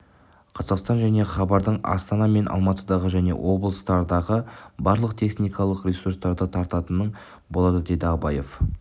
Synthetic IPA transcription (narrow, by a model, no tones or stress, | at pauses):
qʰɑzɑqst̪ɑnʒæne̞χɑbɑɾd̪əɴɑ̰st̪ɑnɑme̞nʔɑ̰lˠmɑt̪əd̪ɑʁəʒæne̞̰wʔo̞blˠəst̪ɑɾd̪ɑʁəbɑɾlˠəq̚t̪ʰe̞χnijkɑlˠəqrʲisurst̪ɑɾd̪ət̪ʰɑɾt̪ɑt̪ənəɴ | bo̞lˠɑd̪əd̪e̞d̪əɑbɑjef